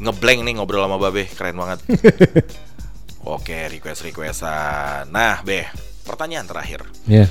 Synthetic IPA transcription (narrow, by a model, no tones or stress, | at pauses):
ŋəblɛŋnɪhŋobɾalamababɛhkəɾaɛnbaŋət̪̚ | o̰keɾikwɛst̪rikwɛsanahbɛh | pərt̪aɲaːnt̪əɾa̰hɪ̰r | ja